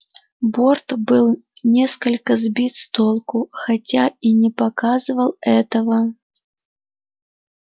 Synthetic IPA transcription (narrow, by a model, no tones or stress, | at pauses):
bort̪bɨlˠnʲɛskəlʲkəzbʲit̪st̪olˠkʊxat͡sʲainʲɪpakazɨvəlˠɛt̪əvə